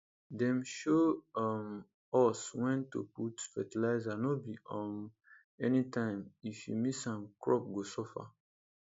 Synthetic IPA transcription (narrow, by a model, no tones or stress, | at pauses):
dɛ̃mʃoɔm | ɔswɛ̃ntṵputfɛtilaɪzanɔbiɔ̃m | ɛnitãɪ̃mifjṵmisãmkɹɔp̚ɡosɔfa̰